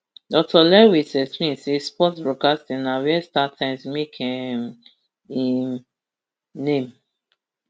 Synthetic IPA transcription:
dɔk̚tɔlɛwisɛspĩmsespɔtbɹɔkastĩnawɛstatʰɛ̃msmekʰɛ̃m | ĩ | nẽm

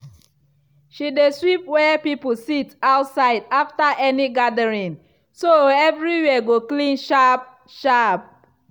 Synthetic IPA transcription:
ʃideswipwɛpipositaʊtsaɪdaftaʔɛniɡadəɹĩn | soɛvɹiwɛɡoklĩnʃap̚ | ʃap̚

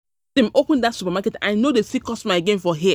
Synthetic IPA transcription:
ẽmʔopə̃ndatsupamakɛtã̰ɪnodesikɔstmaɪeɡẽnfɔɦi

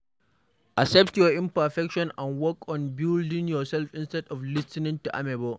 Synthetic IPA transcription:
ʔasɛp̚tjɔʔɪmpɐfɛkʃɔnʔanwɔkɔnbɪldɪŋjɔsɛlfɪnstɛdɔflɪstɪnɪ̃ŋtuʔa̰mɛbɔ

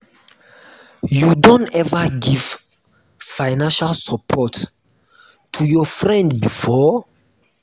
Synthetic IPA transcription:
judõntɛvəɡiv̥ | fãjnãnʃalsəpʰɔt | tʰujɔfɹɛ̃ndbifɔ

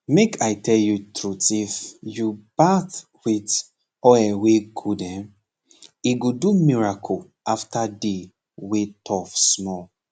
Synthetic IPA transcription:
mekʰaɪtʰɛljutɹutifjub̥at | wit | ɔɛweɡudɛ̃ | iɡodumiɹakʰo | aftade | wetʰɔfsmɔ

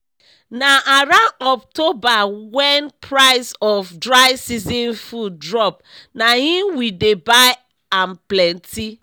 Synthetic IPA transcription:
naaɾaɔp̚tobawɛnpʰɹaɪsɔfdɹaɪsizĩnfudɹɔp̚ | nahĩmwidebaɪ | amplɛ̃nti

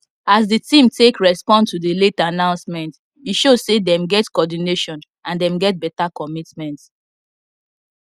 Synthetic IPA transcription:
asditĩmtʰekɹɛspɔ̃ntudiletanãʊ̃nsmɛ̃nt | iʃozsedɛ̃mɡɛtkɔdineʃɔ̃n | ãndɛ̃mɡɛt̚bɛtakɔmitmɛ̃nt

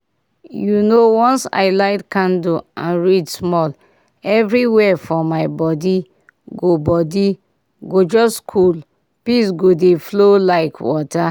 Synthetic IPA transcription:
junowɔ̃nsa̰ɪlaɪtkãndoãnɹidsmɔl | ɛvɾiwɛfɔmaɪbɔdi | ɡobɔdi | ɡod͡ʒɔskʰul | pis̬ɡodeflolaɪkʰwɔta

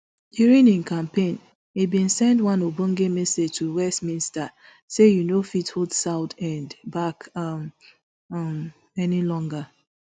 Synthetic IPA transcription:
djuɹĩnĩnkãmpẽn | it̚bĩnsɛ̃ndwãnobõŋɡemɛsed͡ʒtʰuwɛstmĩnsta | sejunofithodsaʊtʰɛ̃ndbakm | m | ɛnilɔ̃ŋɡa

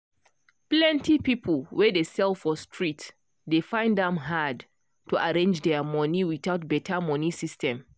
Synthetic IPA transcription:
plɛ̃ntipipʰəlˠwɛdesɛlˠfɔstʰɹit | defãɪ̃ndɛ̃mɦad | tuʔaɹẽnd͡ʒdɛmɔniwiθatbɛtʰəmɔnisistʰɛ̃m

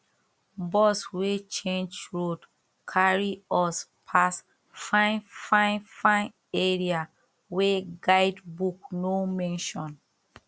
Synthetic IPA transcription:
bɔswet͡ʃẽnd͡ʒɹod | kʰaɹiɔspʰas | fãnfãnfãn | eɹia | weɡaɪdbuk̚nomɛ̃nʃɔ̃n

